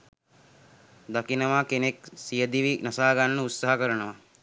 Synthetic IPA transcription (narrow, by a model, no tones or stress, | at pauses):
d̪akinɐʋaːkeneksijəd̪iʋinɐsaːɐɡanːəut̪saɦɐkəɾənəʋa